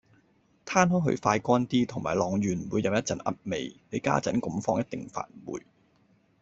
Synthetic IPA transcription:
t̪ʰaː˥nɦɔː˨˥ɦɵ̰˧ɥfaː˧jkʷɔː˥nt̪iː˥t̪ʰʊ˨˩ŋmaː˨˩lɔː˨˩ŋjyː˨˩n˨wuː˨˧jɐ˨˧wjɐ˥t̚t͡sɐ˨˥nʔɐ̰˥t̚me˨˧jne˨˧ka̰ː˥t͡sɐ˨˥nkʊ˨˥mfɔː˥ŋjɐ˥t̚t̪ɪ˨ŋfa̰ː˨˩n̚˨wṵː˨˩j

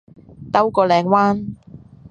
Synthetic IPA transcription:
t̪ɐ˥wkɔː˨˧lɛː˨˧ŋwaː˥n

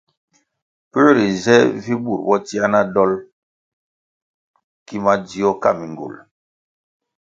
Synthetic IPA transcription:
pə˦ɾi˨zɛ˦vi˦bṵ˨ɾbɔ˦ti˦a˦na˦dɔ˦l | ki˦ma˦di˨˦ɔ˦ka˦˨mi˨ŋɡo̰˨l

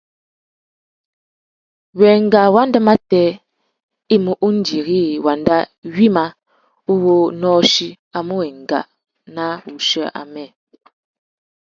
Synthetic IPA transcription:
wɛ˨ŋ˨ɡa˨wa˦ndə˦ma˦tɛ˦ | i˦mu˦ʔu˦n̩˦di˨ɣi˦˨wa˨nda˦ɥi˦ma˦ | u˦wo˦nɔː˦ʃi˦ | a˨mo˦wɛ˨ŋ˨ɡa̰˨ | na˦u˨ʃə˦ʔa̰˨mɛ˦˨

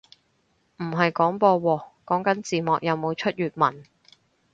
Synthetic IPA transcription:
m̩˨˩ɦɐ˨jkɔː˨˥ŋpɔː˧wɔː˧kɔː˨˥ŋkɐ˨˥nt͡siː˨mɔː˨k̚jɐ˨˧wmo˨˧wt͡ʃʰɵ˥t̚jyː˨t̚mɐ˨˩n

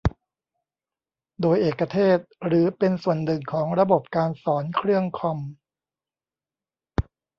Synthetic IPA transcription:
doː˧jʔeː˨˩kːa˧t̪ʰeː˥˩t̪̚ɾɯː˩˦pe˧nsu˨˩ənːɯ˨˩ŋkʰɔː˩˦ŋɾa˧bo˨˩p̚kaː˧nsɔː˩˦nkʰɾɯ˥˩əŋkʰɔ˧m

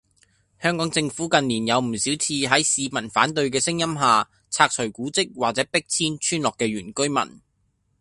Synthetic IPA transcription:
hœː˥ŋkɔː˨˥ŋt͡sɪ˧ŋfuː˨˥kɐ˨˧nliː˨˩njɐ˨˧wm̩˨˩si˨˥wt͡sʰiː˧ɦɐ˨˥jsiː˧mɐ˨˩nfaː˨˥nt̪ɵ˧ɥkɛː˧sɪ˥ŋjɐ˥mɦaː˨ | t͡sʰaː˧k̚t͡ʃʰɵ˨˩ɥkuː˨˥t͡sɪ˥k̚waː˨k̚t͡sɛː˨˥pɪ˥k̚t͡sʰiː˥nt͡ʃʰyː˥nlɔː˨kːɛː˧ɥyː˨˩nkɵ˥ɥmɐ̰˨˩n

